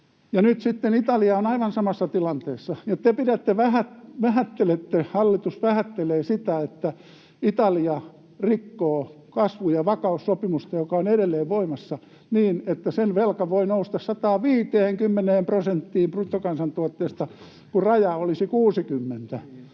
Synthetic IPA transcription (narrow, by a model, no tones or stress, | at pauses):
jɑnyt̪sit̪ːenit̪ɑliɑonɑiʋɑnsɑmɑsːɑt̪ilɑnt̪eːsːɑjot̪ːepiɾæt̪ːeʋæhæʋæhæt̪ːelet̪ːehɑlːit̪usʋæhæt̪ːeleːsit̪æet̪ːæ | it̪ɑliɑ | rikːoː | kɑsʋujɑʋɑkɑussopimust̪ɑjokɑoneɾelːeːʋʋoimɑsːɑ | niːnet̪ːæsenʋelkɑʋoinoust̪ɑssɑt̪ɑːʋiːt̪eːŋkymːeneːmprosent̪ːiːmprut̪ːokɑnsɑnt̪uɑt̪ːeːst̪ɑ | kurɑjɑolisikuːsikymːent̪æ